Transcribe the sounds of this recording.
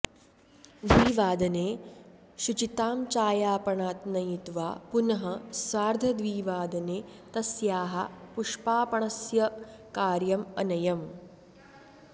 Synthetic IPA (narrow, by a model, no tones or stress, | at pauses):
d̪ʋiːʋaːd̪ɐneː | ʃut͡ʃit̪aːmt͡ʃaːjaːpɐɳaːt̪nɐjit̪ʋa̰ːpunɐɦɐsʋaːɾd̪ʱɐd̪ʋiːʋaːd̪ɐneːt̪ɐsjaːɦɐ̰puʂpaːpɐɳɐsjɐ | kaːɾjɐmɐnɐjɐm